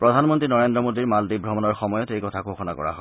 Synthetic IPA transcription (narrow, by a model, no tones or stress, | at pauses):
pɹɔdʱanmɔntɹinɔɹendɹɔmodiɹmaldibʱɹɔmɔnɔɹxɔmɔjɔtejkɔtʰakoxɔna̰kɔ̰ɹa̰ɦɔ